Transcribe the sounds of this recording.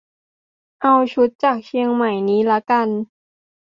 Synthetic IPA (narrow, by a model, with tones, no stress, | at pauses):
ʔa˧wt͡ɕʰu˦˥t̪̚t͡ɕaː˨˩k̚t͡ɕʰi˧əŋma˨˩jniː˦˥la˦˥ka˧n